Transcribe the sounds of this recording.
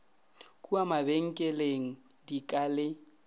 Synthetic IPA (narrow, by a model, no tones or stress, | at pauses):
kʼuamabeŋ̩kʼɛleŋ̩ | dikʼalɪ